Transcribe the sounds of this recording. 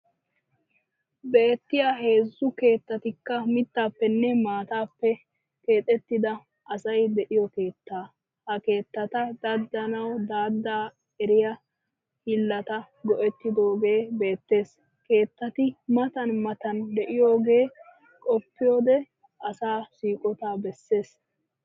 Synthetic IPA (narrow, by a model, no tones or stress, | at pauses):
be̞ːt̪ːɪjaɦe̞ːzːʊke̞ːt̪ːɐt̪ɪkːɐmɪt̪ːaːpːɛnːɛmaːt̪aːpːɛ | ke̞ːt̪ʼɛt̪ːɪd̪ɐ | ʔɐsɐjd̪ɛʔɪjɔke̞ːt̪ːaː | hɐke̞ːt̪ːɐt̪ɐd̪ɐd̪ːɐnɐwd̪aːd̪ːaː | ɛɾɪjɐ | hɪlːɐt̪ɐ | ɡɔʔɛt̪ːɪd̪o̞ːɡe̞ːbe̞ːt̪ːe̞ːs | ke̞ːt̪ːɐt̪ɪmɐt̪ɐnmɐt̪ɐnd̪ɛʔɪjo̞ːɡe̞ː | kʼɔpːɪjo̞ːd̪ɛ | ʔɐsaːsiːkʼɔt̪aːbɛsːe̞ːs